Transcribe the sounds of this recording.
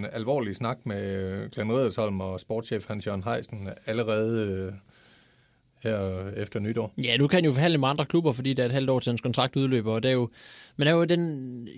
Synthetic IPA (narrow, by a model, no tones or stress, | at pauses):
nælʋɒ̰ːlisnɑ̈ɡ̥̚meɡ̥lænʁiðˠɐshɒ̽l̰m̩ɒ̽sb̥ɒːd̥ɕḛːfhænɕɒnɦɑ̈ɪ̰sn̩æləʁɛːð̞̩ˠ | heɐ̰efd̥ɐnyd̥ɒ̰ːjænukʰæænjo̝fɒ̽ɦæn̰ləmend̥ʁɐkʰlub̥ɐfɒ̽d̥ḭːdeæɐe̝d̥ɦæl̰d̥ɒ̰ːt͡sʰe̝ænskʰɒ̽nt͡sʰʁɑ̈ɡ̥̚d̥uð̞ˠlø̰ːb̥ɐɒd̥æjo̝mend̥æjod̥en